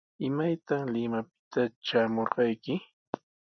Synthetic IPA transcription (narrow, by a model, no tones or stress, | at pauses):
ɪmajt̪aŋlɪmapɪ̥t̪aʈ͡ʂaːmoɾɢɑjkɪ